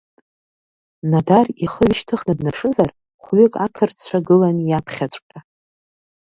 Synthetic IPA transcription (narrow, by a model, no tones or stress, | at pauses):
nadariχəɥʃtʰɨχnabnaʂɨzar | χʷɥɪkʼakʰɨrt͡sʷʰaɡɨlanjapʰχʲat͡ʃʷʼkʼa